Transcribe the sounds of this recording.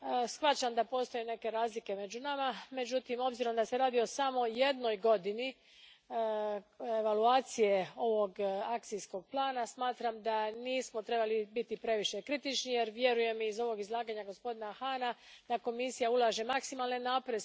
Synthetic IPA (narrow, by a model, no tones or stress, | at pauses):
sxʋat͡ʃamd̪apo̞ːst̪ojune̞ke̞ɾaːzlike̞me̞d͡ʒunamame̞d͡ʑut̪imo̞bziɾo̞md̪ase̞ɾaːd̪io̞samo̞je̞d̪no̞jɡo̞d̪ini | eʋaluaːt̪sije̞o̞ʋo̞ɡakt̪sijsko̞ɡ̚plaːnasmaːt̪ɾamd̪aniːsmo̞t̪ɾe̞balibit̪ipɾe̞ʋiʃe̞kɾit̪it͡ʃnije̞ɾʋje̞ɾuje̞mizo̞ʋo̞ɡizlˠaːɡaɲaɡo̞spo̞d̪inaxaːnad̪̥ako̞misijaulˠaʒe̞maksimalˠnenːapɾe